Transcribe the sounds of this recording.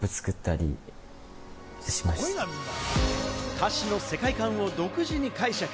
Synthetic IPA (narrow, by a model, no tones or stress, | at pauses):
pɯ̟t͡sɨ̥kɯ̟t̪ːaɾʲḭ | ɕi̥masoeɡamʲĩna | kʰaɕino̞se̞kaikãɰ̃o̞d̪o̞kɯ̟ʑiɲ̟ikaiɕak